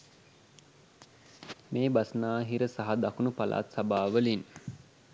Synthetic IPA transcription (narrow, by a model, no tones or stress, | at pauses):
meːbasənaːɦiɾəsaɦad̪akunupalʔa̰ːt̪sabaːʋəlin